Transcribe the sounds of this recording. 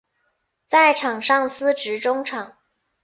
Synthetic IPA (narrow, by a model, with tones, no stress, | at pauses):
t͡sa˥˩ɪʈ͡ʂʰɑ˨˩ŋʂɑ˥˩ŋsɹ̩˥ʈ͡ʂɻ̩˧˥ʈ͡ʂʊ˥ŋʈ͡ʂʰɑ˨˩˦ŋ